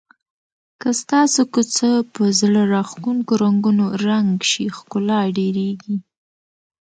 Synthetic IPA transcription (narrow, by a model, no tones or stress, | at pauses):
kəst̪ɑsokət͡səpəzɽəɾɑxkunkoɾaŋɡunoɾaŋɡʃixkʊlɑɖeɾeɡi